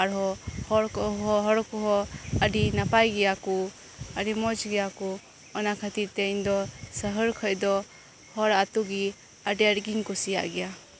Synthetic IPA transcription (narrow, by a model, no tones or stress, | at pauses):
aɾɦɔhɔɾɔɦɔɾkuɦɔadinapajɡijaku | aɾimɔd͡ʒɡijaku | ɔnakʰatitejndɔsəɦɯɾkʰɔjdɔ | hɔɾatuɡi | adiaɾɡiŋkusija̰ʔɡija